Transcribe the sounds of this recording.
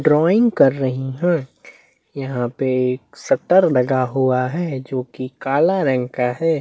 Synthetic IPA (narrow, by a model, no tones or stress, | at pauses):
ɖɾɔːɪ̃ŋɡkɐɾːɐɦiɦɛ̃ː | jɐɦãpeeːksɐt̪əɾlɐɡaɦuaɦɛːd͡ʒoːkikaːlaɾɛ̃ŋkaɦɛː